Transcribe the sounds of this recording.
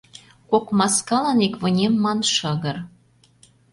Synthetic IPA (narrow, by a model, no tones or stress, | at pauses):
kokmɑskɑlɑnikβɤ̆nʲemːɑnʃɤ̆ɣɤ̆r